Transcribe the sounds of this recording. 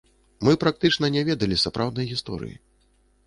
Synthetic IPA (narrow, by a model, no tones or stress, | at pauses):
mɨpɾak̚t̪ɨt͡ʂnɐnʲɛvʲɛd̪ɐlʲisapɾʔawd̪nɐjɣʲist̪ɔ̰ɾɨ̰jḭ